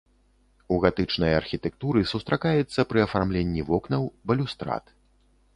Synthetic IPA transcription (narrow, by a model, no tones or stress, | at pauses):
uɣat̪ɨt͡ʂnɐjɐ̰rxʲit̪ɛk̚t̪uɾɨsust̪ɾakajɛt̪sːɐpɾɨɐfarmlʲenʲːivɔknɐwbɐlʲust̪ɾa̰t̪